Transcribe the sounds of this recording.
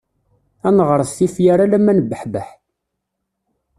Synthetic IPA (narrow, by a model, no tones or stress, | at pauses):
ænʁəɾˤsifjaɾalæmːænəbəħbəħ